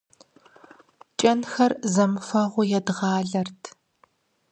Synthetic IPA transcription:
t͡ʃʼɐnxɐrzɐmfɐʁʷʊjɛdʁɑːɮɐrtʰ

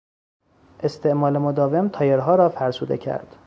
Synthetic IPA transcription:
ʔe̞st̪ʰe̞ʔmɒːlemod̪ɒːve̞mt̪ʰɒːjeɾɦɒːɾɒːfæɾsṵːd̪ḛcʰæ̰ɾd̪̥

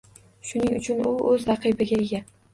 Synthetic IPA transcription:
ʃʊnɪŋʊt͡ʃʰʊnʊɵzɾɑqʰɨbɪɡʲaeɡʲa

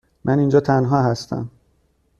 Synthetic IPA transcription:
mʔænind͡ʒɒːt̪ʰænɦɒːɦæst̪ʰæ̰m

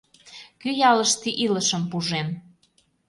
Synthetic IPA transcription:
kyjɑlə̆ʃt̪iʔilə̆ʃə̆mpuʒen

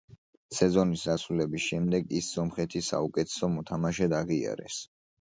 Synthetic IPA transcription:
sɛzɔnisɾasulɛbisʃɛmd̪ɛɡisːɔmχɛt̪ʰisa̰ukʼɛt̪ʰɛ̥sɔmɔt̪ʰamaʃɛd̪aʁia̰ɾɛ̰s

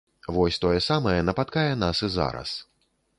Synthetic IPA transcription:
vɔsʲt̪ɔjɛsamɐjɛnɐpat̪̚kajɛnasɨza̰ɾɐ̰s

